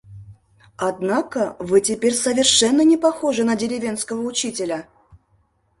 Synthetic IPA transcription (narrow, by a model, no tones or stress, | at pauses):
ɐd̪nakəvɨtʲɪpʲeɾʲsəvʲɪrʂɛnːənʲɪpɐxo̞ʐɨnədʲɪɾʲɪvʲe̞nskəvəʊt͡ɕitʲɪlʲə